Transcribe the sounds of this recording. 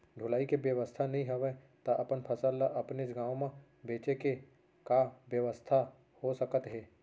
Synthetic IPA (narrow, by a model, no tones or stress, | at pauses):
ɖʱʊlaːikebjəʋəst̪ʰanɐɦĩɦɐʋe | t̪aʔɐpənpʰɐsəlːaʔɐpnesɡaːwmã | beːt͡ʃeke | kaʋjəʋəst̪ʰa | hosɐkət̪ɦeː